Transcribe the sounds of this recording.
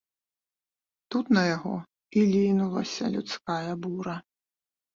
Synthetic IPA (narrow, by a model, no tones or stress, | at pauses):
t̪ut̪nɐjaɣɔ | ilʲinulˠɐ̰sʲɐ̰lʲut̪skajɐbuɾɐ